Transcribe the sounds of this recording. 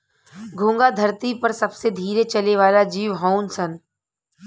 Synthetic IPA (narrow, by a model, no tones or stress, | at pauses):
ɡʱõːŋɡad̪ʱɐɾt̪ipɐɾsɐbsed̪ʱiːɾet͡ʃɐleʋaːlad͡ʒiːʋɦãʊnsən